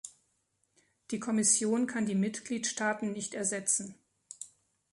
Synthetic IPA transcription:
d̥iːkʰɔmɪsjoːnkʰandiːmɪtɡ̥liːtʃtaːtn̩nɪçtɛɐzɛt͡sn̩

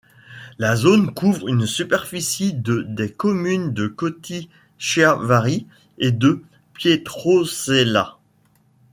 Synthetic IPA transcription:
lazonkuvʁynsypɛʁfisid̪əd̪ekɔmynd̪əkɔt̪i | ʃavaʁi | ed̪ə | pjet̪χosela̰

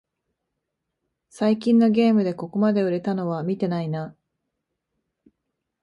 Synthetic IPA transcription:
saikʲĩnːo̞ɡʲe̞ːmɯ̟d̪e̞ko̞ko̞mad̪e̞ɯ̟ɾe̞t̪ano̞β̞amʲit̪e̞naina

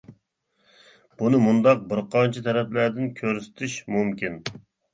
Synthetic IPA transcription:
b̥unɨmund̪ɑq̚bɪɾqʰɑnt͡ʃʰɛt̪ʰɛɾɛplæɾd̪ɪnkʲʰøɾsɪ̥t̪ʰɪʃmumkʲin

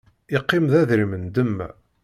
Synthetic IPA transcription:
ɪqːɪmðæðɾimənd̪əm̰ː

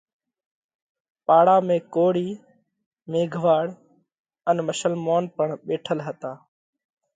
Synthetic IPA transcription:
paːɽaːmẽːkoːɽiː | meːɡʱʋaːɽ | ənməʃəlmoːnpəɳɓeːʈʰəlɦət̪aː

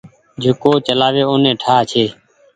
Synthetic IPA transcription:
d͡ʒʱɪkoːt͡ʃəlaːʋeːoːnẽːʈʰaːt͡ʃʰeː

